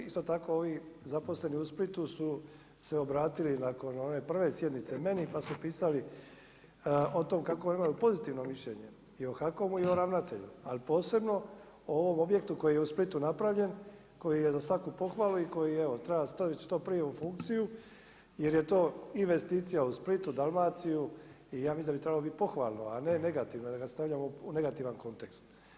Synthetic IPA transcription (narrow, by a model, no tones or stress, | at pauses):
ist̪o̞t̪ako̞oʋizapo̞sle̞niusplit̪usu | se̞o̞bɾaːt̪ilinako̞no̞ne̞pr̩ʋe̞sje̞d̪nit̪se̞me̞nipasupiːsali | ot̪o̞mkakonimajupo̞zit̪iʋno̞miʃʎe̞ɲe̞̰ | io̞xako̞muio̞ɾaʋnat̪e̞̰ʎualipo̞ːse̞bno̞ | ooʋo̞mo̞bje̞kt̪uko̞jijeusplit̪unapɾaʋʎe̞n | ko̞jije̞zasʋakupo̞xʋaːluiko̞jieʋot̪ɾajast̪ait͡ʃt̪o̞ːpɾije̞ufuŋk̚t̪siju | je̞ɾje̞t̪o̞ːinʋe̞st̪iːt̪sijausplit̪ud̪almaːt̪siju | ijaːmisind̪abit̪ɾe̞balobit̪i̥po̞xʋa̰ːlˠnoane̞ne̞ɡat̪iʋnod̪aɡast̪aʋʎamoune̞ɡat̪iʋanko̞nt̪e̞kst̪